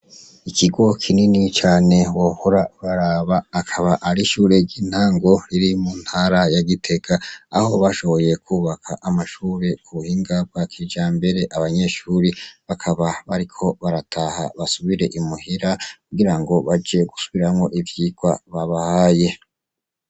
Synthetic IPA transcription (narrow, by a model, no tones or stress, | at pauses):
ikʰiɡo̞kʰininit͡ʃaːne̞wohoɾaβaɾaβaːkʰaβaʔːɾiʃuːɾe̞ɟiːn̥haːŋɡo̞ɾiɾimuːn̥haɾajaɡitʰe̞ɡaːho̞βaʃo̞βo̞je̞kʰuːβakʰaʔamaʃuːɾe̞uβuhiːŋɡab̚ɡwakʰid͡ʒaːmbe̞ɾe̞ʔaβaɲe̞ʃuːɾiβakʰaβaβaɾikʰo̞βaɾatʰaha̰βasuβiɾe̞ʔimuhiɾakuɡiɾaŋɡo̞βad͡ʒeɡusuβiɾamŋo̞ʔivjiːɡ̥waβaβahaje̞